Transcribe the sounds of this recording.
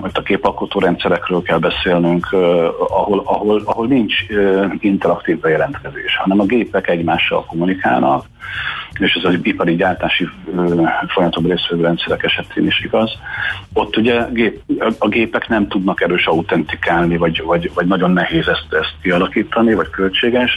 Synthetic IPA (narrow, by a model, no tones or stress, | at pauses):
ot̪ːɒɡeːpɒlkot̪oːɾɛnt̪sɛɾɛkrøːlkɛlbɛseːlnyŋkʰɒɦo̞lɒɦo̞lɒɦo̞lnint͡ʃøint̪ɛɾɒkt̪iːvbɛjɛlɛnt̪kɛzḛːʃhɒnɛmɒɡeːpɛkɛɟmaːʃːɒ̰lko̞munika̰ːlnɒ̰k | eːʃɛzɒipɒɾiɟaːrt̪aːʃiː | fojɒmɒt̪o̞breːsʋøɡɾɛnt̪sɛɾɛkɛʃɛt̪ʰḛːniʃiɡɒzo̞t̪ːuɟɛɡeːpɒɡeːpɛknɛmt̪ud̪nɒkɛɾøːʃɒut̪ɛnt̪ikaːlnivɒɟvɒɟvɒɟnɒɟo̞nːɛɦeːzɛst̪ɛst̪̚kiɒlɒkiːt̪ɒnivɒckølt͡ʃeːɡɛʃ